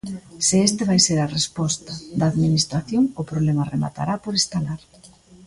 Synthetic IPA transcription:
sɪest̪eβajseɾɐrespɔst̪ɐd̪aːðminist̪ɾaθjoŋʊpɾoβlemarema̰t̪a̰ɾapoɾest̪alaɾ

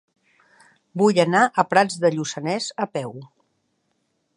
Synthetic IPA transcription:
bujənaʔəpɾad͡zðəʎusənɛzəpɛw

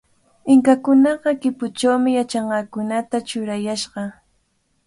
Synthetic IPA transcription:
ɪŋkakʊnɑɢɑkɪpʊt͡ʃawmɪjat͡ʃɑɴɢɑkʊnat̪at͡ʃʊɾajaʃɢɑ

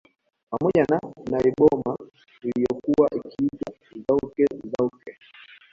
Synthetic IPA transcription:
pamɔʄananaɛɓɔma | ulijɔkuwaʔikiita | zaukɛzaukɛ

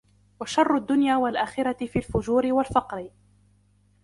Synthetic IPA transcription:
waʃɑrˤːʊd̪ːʊnjaːwalʔaːxɪɾaɪfiːlfʊd͡ʒuːɾɪwalfɑqɾɪ

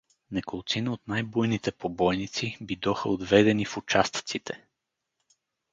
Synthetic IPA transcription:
nɛkolˠt̪sinəot̪najbujnit̪ɛpobɔjnit̪sibid̪ɔxəod̪vɛd̪ɛnifut͡ʃast̪t̪sit̪ʰɛ

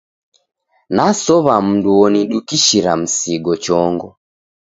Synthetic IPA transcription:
nasɔβam̩nduɔniɗukiʃiɾa̰m̩siɡɔt͡ʃɔŋɡɔ

